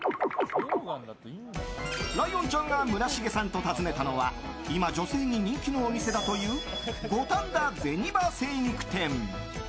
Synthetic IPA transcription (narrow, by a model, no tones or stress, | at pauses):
ɾaiõ̞ɲt͡ɕõ̞ŋɡamɯ̟ɾaɕiɡe̞sãnt̪o̞t̪azɨne̞t̪ano̞βa̰imad͡ʑo̞se̞ːɲ̟iɲ̟ĩŋkʲino̞ːmʲise̞d̪at̪o̞jɯːɡo̞t̪ãnd̪ad͡ze̞ɲ̟ibase̞ɲ̟ʲikɯ̟̥t̪ẽ̞m